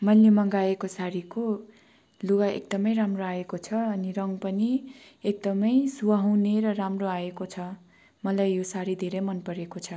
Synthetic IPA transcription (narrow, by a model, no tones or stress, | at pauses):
mʌjlemʌŋɡaekosaɾiko | luɡaʔḛkd̪ʌmʌjɾamroaekot͡sʰʌʌniɾʌŋpʌni | ek̚d̪ʌmʌjsuwʌɦʌwneɾʌramroaekot͡sʰʌ | mʌlajːosaɾid̪ʱeɾʌmʌnpʌɾekot͡sʰʌ